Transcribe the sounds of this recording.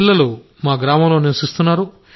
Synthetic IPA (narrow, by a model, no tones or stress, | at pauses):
lːɐlu | maːɡɾaːmɐmlo̞ːniɾʋɐsist̪unːaːɾu